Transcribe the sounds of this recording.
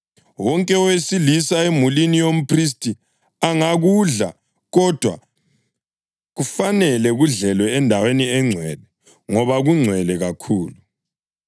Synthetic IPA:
wɔŋkʼɛɔwesilisaemulinijom̩pʰris̬tʼi | aŋaɣuɮa | ɣɔd̥ʱwa̰ | ɣufanɛlɛɣuɮɛlwɛːndʱaweniɛŋ͡ǀʱwɛlɛ | ŋɔβaɣuŋ͡ǀʱwɛlɛɣakʰuːlu

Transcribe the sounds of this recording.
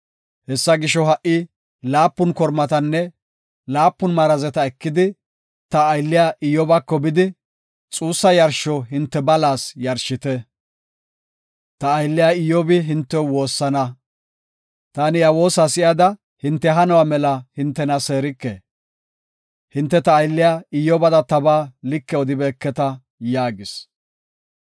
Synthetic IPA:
hɛsːɐɡɪʃɔɦɐʔɪ | laːpːʊnkɔɾmɐt̪ɐnːɛ | laːpːʊnmaɾɐzɛt̪ɐɛkːɪd̪ɪ | t̪ɐːjlːɪjaʔɪjɔbɐkːɔbɪd̪ɪ | t͡sʼuːsːɐjɐɾʃɔɦɪnt̪ːɛbɐlaːsjɐɾʃːɪt̪ɛ | t̪ɐːjlːɪjaɪjɔbɪɦɪnt̪ːɛwo̞ːsːɐnɐ | t̪aːnɪjɐwo̞ːsasɪjɐd̪ɐ | hɪnt̪ːɛɦɐnɔwaːmɛlɐhɪnt̪ːɛnɐse̞ːɾɪkːḛː | hɪnt̪ːɛt̪ɐːjlːɪjaːɪjɔbɐd̪ɐt̪ɐbaːlɪkːɛɔd̪ɪbɛːkːɛt̪ɐ | jaːɡɪs

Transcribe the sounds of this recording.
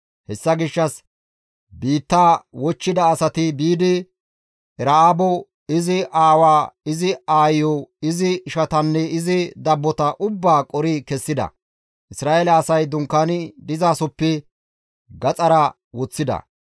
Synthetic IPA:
hɛsːɐɡɪʃːɐs | biːt̪ːaːwɔt͡ʃːɪd̪ɐːsɐt̪ɪbiːd̪ɪ | ɛɾaaːbɔ | ɪzɪʔaːwaːɪzɪaːjːɔɪzɪʃɐt̪ɐnːɛɪzɪd̪ɐbːɔt̪ɐʔʊbːaːkʼɔɾɪkɛsːɪd̪ɐ̰ | ʔɪsɾaːʔelɐːsɐjd̪ʊŋkːanɪd̪ɪzaːsɔpːɛ | ɡɐt͡sʼɐɾɐ | wɔt͡sːɪd̪ɐ̰

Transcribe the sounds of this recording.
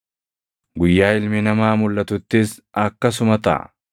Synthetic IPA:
ɡʊjːaːɪlmɪnɐmaːmʊlːɐt̪ʊt̪ːɪs | ɐkːɐs̬ʊmɐt̪ɐ̰ʔɐ̰

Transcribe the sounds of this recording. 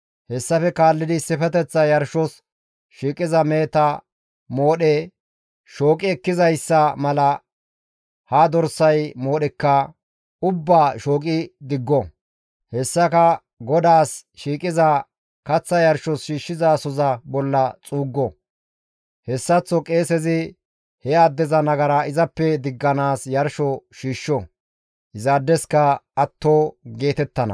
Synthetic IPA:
hɛsːɐfɛkaːlːɪd̪ɪsɪfɛt̪ɛt͡sːɐjɐɾʃɔs | ʃiːkʼɪzɐmeːt̪ɐ | mo̞ːɗe | ʃo̞ːkʼɪɛkːɪzɐjsːɐmɐlɐ | had̪ɔɾsɐjmo̞ːɗɛkːɐ | ʊbːaːʃoːkʼɪd̪ɪɡːɔ | hɛsːɐkɐ | ɡɔd̪aːsʃiːkʼɪzɐ | kɐt͡sːɐjɐɾʃɔsʃiːʃːɪzasɔzɐbɔlːɐt͡sʼuːɡːɔ | hɛsːɐt͡sːɔkʼe̞ːsɛzɪ | hɛaːd̪ːɛzɐnɐɡɐɾɐɪzɐpːɛd̪ɪɡːɐnaːsjɐɾʃɔʃiːʃːɔ | ʔɪzaːd̪ːɛskɐɐt̪ːoːɡe̞ːt̪ɛt̪ːɐnɐ̰

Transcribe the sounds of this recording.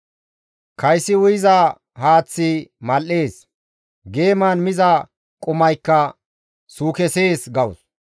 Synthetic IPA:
kʰɐjsːɪwʊjɪza | haːt͡sːɪmɐlːe̞ːs | ɡe̞ːmaːnmɪzɐ | kʼʊmɐjkːɐ | suːkɛseːsɡɐwʊs

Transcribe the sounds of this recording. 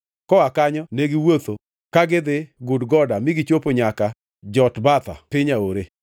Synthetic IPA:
kɔakaɲɔneɡɪwot̪o | kaɡɪd̪ɪɡʊdɡɔdamɪɡɪt͡ʃopoɲaka | d͡ʒɔtbat̪a̰pɪɲaoɾe

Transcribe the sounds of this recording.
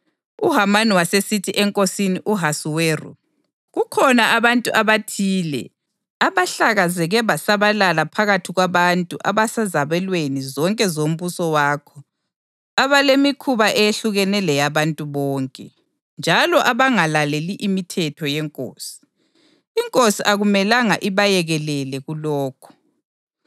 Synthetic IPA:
uɦamaniwasesitʰiʔɛŋkʼosiniʔuɦasuweːrṵ | ɣukʰɔnaʔaβantʼuʔaβatʰiːlɛ̰ | aβaɬaɣazɛɣɛβasaβalalapʰaɣatʰiɣwaβantʼuʔa̰βasazaβɛlwenizɔŋkʼɛzom̩βusɔwaːkʰɔ | aβalemikʰuβaʔɛjeɬuɣɛnɛlɛjaβantʼuβɔːŋkʼɛ | nd͡ʒʱalɔʔaβaŋalaleliʔimitʰɛtʰɔjɛŋkʼo̰ːsi̥ | iŋkʼosiʔaɣumɛlaŋaʔiβajɛɣɛlɛlɛɣulɔːkʰɔ̥

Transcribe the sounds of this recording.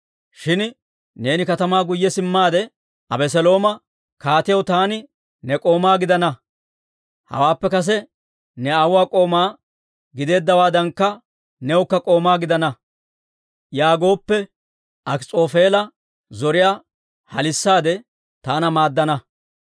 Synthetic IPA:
ʃɪn | ne̞ːnɪkɐt̪ɐmaːɡʊjːɛsɪmːaːd̪ɛ | ɐbɛs̬ɛlo̞ːmɐ | kaːt̪ɪjɐwt̪aːnɪ | nɛkʼo̞ːmaːɡɪd̪ɐnɐ | hɐ̰waːpːɛkɐs̬ɛ | nɛaːwʊwaːkʼo̞ːmaː | ɡɪd̪e̞ːd̪ːɐwaːd̪ɐŋkːɐ | nɛwʊkːɐkʼo̞ːmaːɡɪd̪ɐnɐ | jaːɡo̞ːpːɛ | ʔɐkt͡sʼo̞ːfe̞ːlɐ | zɔɾɪjaː | hɐ̰lɪsːaːd̪ɛ | t̪aːnɐmaːd̪ːɐnɐ

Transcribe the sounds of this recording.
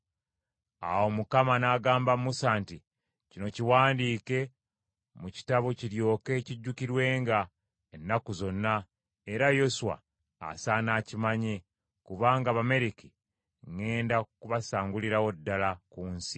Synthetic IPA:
a̰wo̞mukamanaːɡaːmbamusaːnti | cino̞ciwaːndiːke̞ | muci̥taβociɾjo̞ːke̞ciɟːukiɾwe̞ːŋɡa | enːakuzo̞nːa | e̞ɾajo̞suwa̰ː | sanaːcimaɲe̞ | kuβaːŋɡaβame̞ɾiki | ŋe̞ːndakuβasaːŋɡuliɾawo̞dːalakuːnsi̥

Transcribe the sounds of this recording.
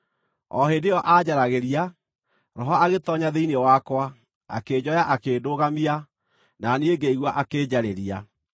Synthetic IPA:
ɔ̰ɦeːdejɔʔad͡ʑaɾaɣeɾia | ɾɔɦɔaɣetɔɲaðeinewakwa | a̰keːd͡ʑɔjaʔakeːdoːɣamia | nanieɡeiɣwaʔakeːd͡ʑaɾeɾia

